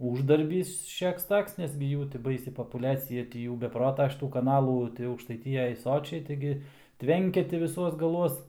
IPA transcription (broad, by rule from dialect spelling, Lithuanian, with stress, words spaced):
ˈuːʒdɐrʲbʲiːs ʃʲɛks ˈtoːks nʲɛs ɡʲɪ ˈjuː tʲɪ ˈbɐɪsʲɪ poːpʊˈlʲæːt͡sʲɪjɛ tʲɪ ˈjuː bʲɛ ˈproːtɐ ʃʲɪˈtuː kɐˈnɑːlˠuː tɐɪ ɐʊkʃtɐɪˈtʲɪjɛj ˈsoːt͡ʃʲɛɪ ˈtɐɪɡʲɪ ˈtʲʋʲɛŋʲkʲɛ tʲɪ ʋʲɪˈsuɔs ɡɐˈlˠuɔs